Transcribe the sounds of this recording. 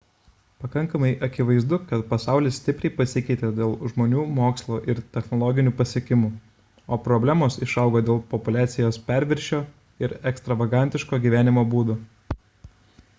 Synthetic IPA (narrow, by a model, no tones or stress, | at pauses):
pɐkɐŋkɐmɐɪʔɐkʲɪʋɐɪzd̪ʊkɐt̪pɐsɑˑʊlʲɪssʲt̪ʲɪpʲɾʲɛɪpɐsʲɪkʲɛɪt̪ʲed̪ʲeːlˠʒmoːnʲuːmoːkslˠoːʔɪɾt̪ʲɛxnɔlˠɔɡʲɪnʲuːpɐsʲiɛkʲɪmu | oːpɾɔbʲlʲæːmoːsɪʃɐˑʊɡoːd̪ʲeːlˠpɔpʊlʲæːt̪sʲɪjoːspʲæˑɾʲʋʲɪɾʲʃʲoː | ɪɾɛkst̪ɾɐʋɐɡɑˑnʲt̪ʲɪʃkoːɡʲiːʋʲæːnʲɪmoːbuːd̪ʊ